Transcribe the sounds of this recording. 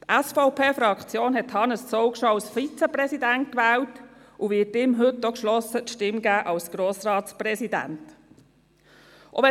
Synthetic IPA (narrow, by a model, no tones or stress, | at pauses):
tæsfɔʊpʰeːfɾɑkt͡sjoːnɦɛthɑnəst͡sɔʊkʃɔɑlsfit͡sɛpɾɛsidænt̚kʋɛːlt | ʔʊvɪːtɪmɦɵt̚dɔkʃlɔsətʃtɪmɡæːʔɑlsɡ̥ɾoːsɾɑːtspɾɛsidæ̰nt | ʔɔ̰ʋɛ